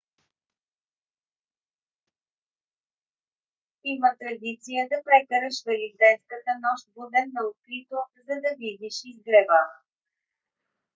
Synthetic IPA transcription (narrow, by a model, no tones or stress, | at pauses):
imət̪ɾɐd̪it̪sijəd̪ɐpɾɛkəɾəʃvɛlid̪ɛjnskət̪ənɔʃt̪̚bud̪ɛnːɐokɾit̪ozɐd̪ɐvid̪iʃizɡɾɛva